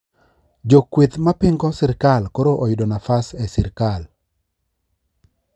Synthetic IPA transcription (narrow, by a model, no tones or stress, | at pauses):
d͡ʒokwet̪mapɪŋɡɔsɪɾkalkoɾoʔojʊdɔnafasɛsɪɾkal